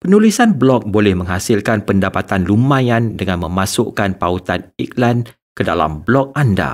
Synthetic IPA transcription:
pənulisanblɔk̚bolɛhmə̃ŋɦhasilkanpəndapat̪anlumãjandəŋãnmə̃masʊʔkanpaut̪anik̚lan | kədala̰mblɔk̚anda̰

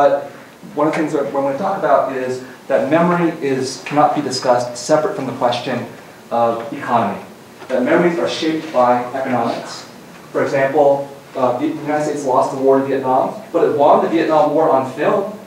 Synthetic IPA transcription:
bʌt̚ | wʌ̃nʌvðɨθɪ̃ŋzəwə̃nwiɨtʰɔkəbaʊɾɪz | ðɨt̚mɛmə˞iʔɪzkʰænət̚b̥idɨskʌstsɛpɹɨtfɹʌ̃mðəkʰw̥ɛst͡ʃɨ̃n | ʌvɨkʰɑnəmḭ | ðɨt̚mɛmə˞izə˞ʃeɪp̚t̚b̥aɪɛkɨnɑmɪ̰ks | fə˞ɨɡzæ̃mpl̩ˠ | vjʉnaɪɾdsteɪtslɔsðəwɔɹɨ̃nviɨʔⁿnɑ̃mb̥ʌɾɨt̚wɑ̃nɨviɛʔⁿnɑ̃mwɔɹə̃nfɪlˠd

